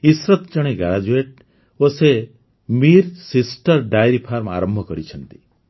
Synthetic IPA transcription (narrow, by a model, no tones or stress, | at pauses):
isɾɔt̪t͡ʃɔɽ̃eɡaɾad͡ʒueʈ̚ | ose | miɾsisʈɔɾɖajɾipʰaɾma̰ɾɔmbʱɔkɔɾit͡ʃʰɔnt̪i̥